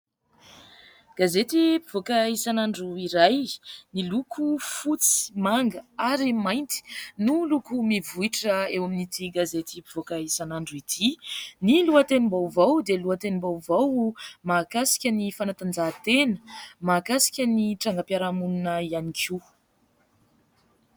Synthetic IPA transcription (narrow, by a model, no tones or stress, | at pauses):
ɡ̥azet̪ipivokaisanaɳɖ͡ʐuiɾajnilukʰufut͡si̥maŋɡəaɾimajnt̪i̥nulukumivuiʈ͡ʂəewaminit̪ʰiɡazet̪ipi̥v̥okaisanaɳɖ͡ʐuit̪ʰiniluat̪enimbawvawd̪eluat̪enimbawvawmakasi̥kʲənifanat̪and͡ʒat̪enə̥makasi̥kʲəniʈ͡ʂaŋɡapjaɾamununəianikʰi